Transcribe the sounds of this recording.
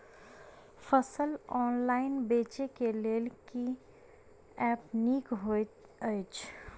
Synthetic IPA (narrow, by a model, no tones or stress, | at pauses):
fəsəlɔːnlaːɪnbeːt͡ʃekeleːlki | ɛːpniːkɦo | ɪt͡ʃ